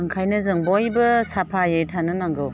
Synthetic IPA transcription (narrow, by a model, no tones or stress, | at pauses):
ɯŋkʰajnɯzɯŋbɔjbɯsapʰajɯjtʰanɯnaŋɡɯw